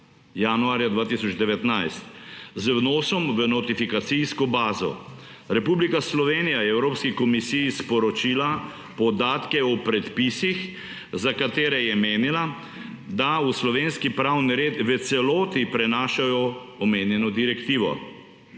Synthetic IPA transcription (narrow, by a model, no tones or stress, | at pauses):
januaːɾjad̪ʋaːt̪isɔd͡ʒd̪ɛʋɛt̪najst̪zwnɔːsɔmʋənɔt̪ifikat̪siskɔbaːzɔ̰ | ɾɛpublikaslɔʋeːnijajɛɛwɾoːpskikɔmisijispɔɾɔt͡ʃiːla | pɔd̪aːt̪kɛɔpɾɛt̪pisix | zakat̪eːɾɛjɛmeːnila | d̪auslɔʋeːnskipɾawniɾeːt̪ʋət̪sɛloːt̪ipɾɛnaːʃajɔ | ɔmeːnjɛnɔd̪iɾɛkt̪iːʋɔ̰